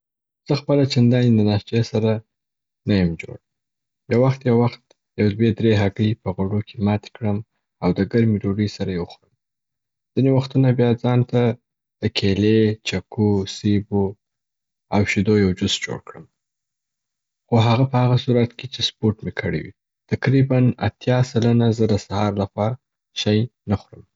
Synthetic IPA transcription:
z̥əxpəlat͡ʃand̪ɑnid̪ənɑst͡ʃesaɾa | najəmd͡ʒo̰ɽ | jawaxt̪jawaxt̪ | jawd̪wed̪ɾeɦaɡlipəɣoɖokʰemɑt̪e̥kɽəm | awd̪əɡaɾmiɾoɖəsaɾajewxɾəm | z̥inewaxt̪unabjɑd͡zɑnt̪a | d̪̥əkʰelet͡ʃakosebo | awʃid̪ojawd͡ʒʊsd͡ʒo̰ɽkɽəm | xoɦaɣapəhaɣasuɾat̪ket͡ʃespoɾʈmekʰəɽḭwḭ | t̪aqɾibana̰t̪jɑsalanazəd̪əsahɑɾlaxwɑ | ʃajnaxuɾəm

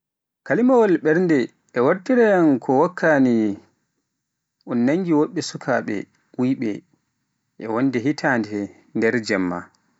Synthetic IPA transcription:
kalimawɔlɓɛɾndɛ | ʔːwaɾtiɾɛjankʰɔwakʰːani | ʔunːaŋɡiwoɓːɛsukʰaːɓɛ̰ | wujɓɛ̰ | ʔɛwonːdɛɦitʰaːndɛ | ndɛɾd͡ʒɛmːa̰

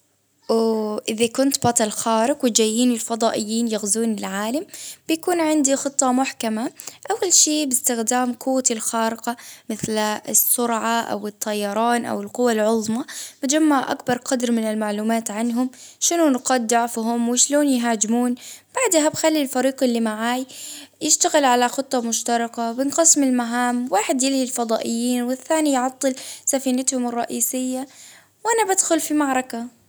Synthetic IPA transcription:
wʔɪðakʊnt̪bɑt̪ˤɑlxaːɾɪqwɪt̪d͡ʒajːiːnɪlfɑd̪ˤɑːʔɪjːiːnjaɣzuːnɪlʕaːlambɪjakuːnʕɪnd̪ixɨt̪ˤːɑmʊħkamaʔawːalʃiːbɪst̪ɪxd̪aːmkʰuːt̪ɪlxaːɾɪqamɪθlɪsːʊɾʕaʔa̰wɪt̪ˤːɑjːɑɾˤɑːnʔa̰wɪlqʊwːalʕʊðˤmabɪd͡ʒamːaʕʔa̰kbɑɾˤqɑd̪ɾmɪnɪlmaʕluːmaːt̪ʕanɦʊmʃɪnʊnqɑd̪ːaʕfɦʊmwɪʃloːnjɦaːd͡ʒmuːnb̥aʕd̪habxalːilfɑɾiːqɪlːimaʕaːjjɪʃt̪aɣɪlʕalaxʊt̪ˤːɑmʊʃt̪ɑɾˤɪqabɪnqɨsmɪlmaɦaːmwaːħɪd̪jɪlhilfɑd̪ˤɑːʔɪjːiːnwɪθːaːnijʕɑt̪ˤːɨlsafiːnat̪hʊmɨrˤːɑʔiːsɪjːa | wʔanabad̪xʊlfimɑʕɾˤɑka

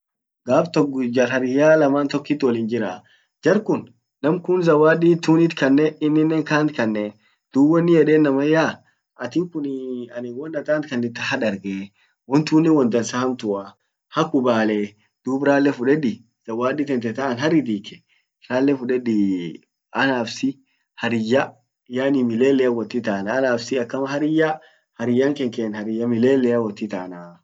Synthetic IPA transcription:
ɡaːbt̪ɔkd͡ʒɐɾhɐɾɪjaːlɐmaːnt̪ɔkːit̪ːwɔlɪːnd͡ʒɪɾaː | d͡ʒɐɾkʊnː | ɐmkʊnzɐwaːɗiːt̪ːuːnɪt̪kɐnːɛɪnːɪnːɛːŋkaːnt̪kɐnːɛ | d̪̥uːbɔnːɪjɛᶑeːnːɐmɐjːaː | ʔɐt̪ɪŋkʊnɐnɪwɔnːɐt̪aːnt̪kɐnːɛt̪ːɐhɐᶑɐɾɡeː | wɔnt̪uːnːɛwɔnd̪ɐnsahɐmt̪ʊa | hɐkːʊbaːle | d̪̥uːbɾaːlːɛfʊᶑɛᶑɪ | sɐwaːɗɪt̪ɛnt̪ɛt̪aʔɐnɦɐɾɪd̪iːkɛ̥ | ɾaːlːɛfʊᶑɛᶑɪ | ɐnaːfsɪ | hɐɾɪjːɐ | jaːnɪmɪleːlːɛɐwːɐt̪ːɪt̪aːnaːnaːfsɪɐkːɐmɐhɐɾɪja | hɐɾɪjːaŋkɛŋkeːnhɐɾɪjːɐmɪleːlːɛɐwːɔt̪ːɪt̪aːna

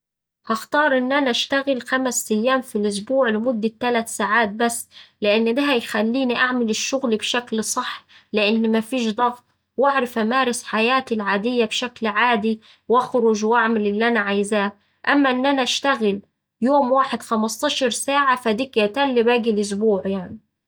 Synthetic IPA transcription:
hɑxt̪ɑːɾˤʔɪnːʔanaʔaʃt̪aɣɪlxamsʔajːaːmfilʔʊs̬buːʕlɪmʊd̪ːat̪ːalat̪saːʕaːt̪̚basːlɪʔɪnːdaɦæjxalːiːniʔaʕmalɪʃːʊɣlbʃaklsˤɑħːlɪʔɪnːmafiːʃd̪ˤɑɣt̪ˤ | waʕɾɪfʔamaːɾɪsħajaːt̪ilʕaːd̪ɪjːabʃaklʕaːd̪i | wʔɑxɾʊʒwʔaʕmalɪlːʔanaʕajzaː | ʔamːaʔɪnːʔanaʔaʃt̪aɣɪl | joːmwaːħɪd̪xamɑst̪ˤɑːʃɑɾˤsaːʕafad̪iːkjat̪alːbaːɡilʔʊs̬buːʕjaʕni

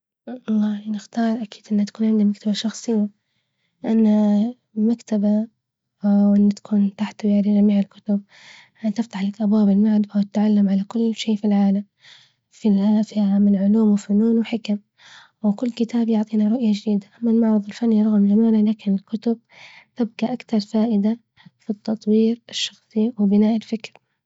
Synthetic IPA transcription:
ɑlˤːɑːhinɪxt̪ɑːɾˤʔakiːd̪ʔɪnːat̪ḁkuːnʕɪnd̪imakt̪abaʃɑxsˤɨjːa | ʔanːa | makt̪aba | wʔɪnːat̪ḁkʰuːnt̪aħt̪wjaʕɾid͡ʒamiːʕɪlkʊ̥t̪ʊb̚ | ʔant̪ɪft̪aħlakʔabwaːbɪlmaʕd̪fawt̪ʕalːamʕalakʊlːʃiːfilʕaːlam | filʕaːfɪʔaamɪnʕʊluːmwɪfʊnuːnwħɪkam | wɪkʊlːkɪt̪ʰaːbjʊʕt̪ˤiːnaɾˤʊʔjad͡ʒɪd̪iːd̪aʔamːanmɑʕɾˤɨðˤɪlfanːiɾˤɑɣmzamaːnalaːkɪnɪlkʊt̪ʊb̚t̪ɪb̚kaʔakt̪ɑɾˤfaːʔɪd̪a | fit̪ːɑt̪ˤwiːɾɪʃːɑ̥xsˤiwbɪnaːʔɪlfɪkɾ

